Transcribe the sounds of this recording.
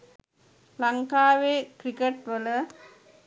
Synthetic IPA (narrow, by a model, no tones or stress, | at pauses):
lɐŋkaːʋeːkɾikeʈʋələ